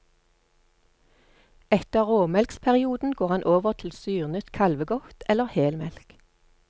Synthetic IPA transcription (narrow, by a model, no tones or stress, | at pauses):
ɛt̪əʁʁoːmɛlkspʰæʁɪuːd̪n̩ɡoːʁhɑnʔoːʋəʁt̪ʰl̩syːʁnœt̪kʰɑlʋəɡɔkt̪ʰɛləʁheːlmɛlk